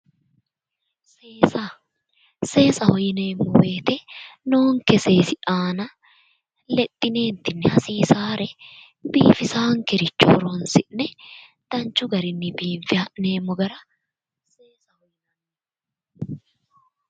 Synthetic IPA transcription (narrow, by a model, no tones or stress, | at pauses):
seːsɐ | seːsɐhɔjɪne̞ːmːɔwe̞ːt̪ɛnoːŋkɛseːsɪʔaːnɐ | lɛt̪ʼːɪne̞ːnt̪ːɪnːɛhɐsiːsaːɾɛ | biːfɪsaːŋkɛɾɪt͡ʃːo̰ːɾonsɪʔnɛd̪̥ɐnt͡ʃːʊɡɐɾɪnːɪbiːɱfɪane̞ːmːɔɡɐɾɐ | seːsɐhɔjnɐn